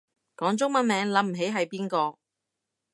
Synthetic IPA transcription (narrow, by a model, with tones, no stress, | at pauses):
kɔː˨˥ŋt͡sʊ˥ŋmɐ˨˧nmɛː˨˥ŋlɐ˨˧˥m̩˨˩ɦe˨˥jɦɐ˨jpiː˥nkɔː˧